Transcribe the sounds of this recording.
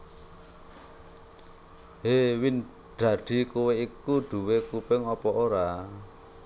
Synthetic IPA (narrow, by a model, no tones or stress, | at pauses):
ɦewin | ɖ̪̥a̤ɖ̪̥i̤kuweikuɖ̪̥ṳwekupɪŋɔpɔʔoɾa